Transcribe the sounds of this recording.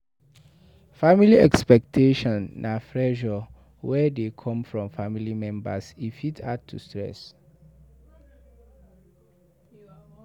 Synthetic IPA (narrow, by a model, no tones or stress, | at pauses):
familiɛkspɛk̚tʰeʃɔ̃nːʔafɹɛʒɔ | wɛdekʰɔ̃mfɹɔ̃mfamilimɛ̃mbasifitʰad̚tʰṵstɹɛ̰s